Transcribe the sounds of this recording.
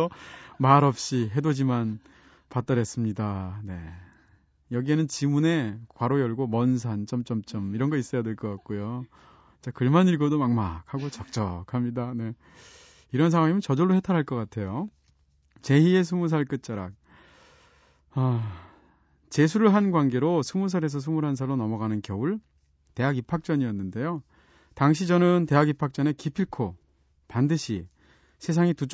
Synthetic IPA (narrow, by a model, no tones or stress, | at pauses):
ʌmaɾʌp̚ɕ͈iɦe̞dod͡ʑiman | pat͈ʌɾes͈ɯmɲidane̞ | jʌɡie̞nɯnt͡ɕimune̞kwaɾojʌɭɡomʌns̬ʰant͡ɕ͈ʌmt͡ɕ͈ʌmt͡ɕ͈ʌmiɾʌnɡʌis͈ʌjadeɭk͈ʌk͈ak̚k͈ojo | it͡ɕekɯɭmaniɭɡodomaŋmak̚haɡot͡ɕʌk̚t͡ɕ͈ʌkʰamɲidane̞ | iɾʌns̬ʰaŋwaŋemɯnt͡ɕʌd͡ʑʌɭːohetʰaɾɦaɭk͈ʌk͈atʰe̞jo | t͡ɕe̞ɦie̞s̬ʰumus̬ʰaɭk͈ɯt̚t͡ɕ͈aɾa̰k̚ | a | t͡ɕe̞s̬ʰuɾɯɭɦanɡwanɡe̞ɾosʰumus̬ʰaɾe̞s̬ʰʌs̬ʰumuɾɦans̬ʰaɾonʌmʌɡanɯnkjʌuɭ | te̞ɦaɡipʰak̚t͡ɕ͈ʌɲiʌnːɯnde̞jo | taŋɕ̬ʰid͡ʑʌnɯnte̞ɦaɡipʰak̚t͡ɕ͈ʌne̞kipʰiɭkʰo | pandɯɕʰi | sʰe̞sʰaŋitut͡ɕ